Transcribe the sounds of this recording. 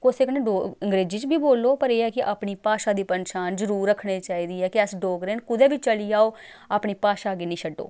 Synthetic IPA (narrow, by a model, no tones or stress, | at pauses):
koseknẽɖoːəŋɡɾeːd͡ʒiːt͡ʃbʱiːboːlːoːpəɾeːɛːkɪʔaːpɳiːpaːʃaːd̪iːpənʃaːnzəɾuːɾːəkʰɽeːt͡ʃaːiːd̪iːɛːkɪəsɖoːɡɾeːnkʊd̪ɛːbiːt͡ʃəliːaːoː | aːpɳiːpaːʃaːɡeːnĩːʃəɖo̰ː